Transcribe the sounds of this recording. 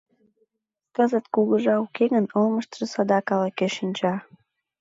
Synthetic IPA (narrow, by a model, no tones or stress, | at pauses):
kɑzɑt̪kuɣəʒɑukʰeɣənolməʃt̪ʒəsɑd̪ɑkɑlɑkeʃinʲt͡ɕɑ